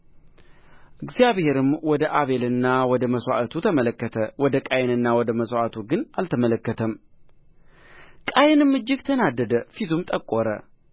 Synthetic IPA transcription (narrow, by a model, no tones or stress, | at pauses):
ʔʔɨɡzijaβhe̞ɾɨmwɔd̪əʔaβe̞lɨnːawɔd̪əməsʷa̰ʔat̪ʰut̪ʰəmələkːət̪ʰəwɔd̪əkʼajnɨnːawɔd̪əməswat̪ʰuɡɨnalt̪ʰəmələkːət̪ʰəm | kʼajnɨmːɨd͡ʒːɪɡt̪ʰənad̪ːəd̪əfit̪ʰumt̪ʼəkʼoɾə̰